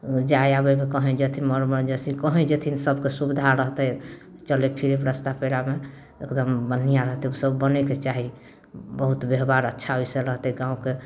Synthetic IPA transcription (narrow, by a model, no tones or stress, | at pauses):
d͡ʒajabɛmekəɦɛ̃d͡ʒet̪ʰinməɾməɾd͡ʒəsikəɦɛ̃d͡ʒet̪ʰinsəbkesubid̪ʱaɾəɦt̪ɛ | t͡ʃəlepʰiɾepɾəst̪apʰeɾame | ekd̪əmbənːijaɾəɦt̪ɛusəbːəneket͡ʃaɦi | bəɦut̪beɦbaɾətːʃʰaɦoiseɾəɦt̪ɛɡãũke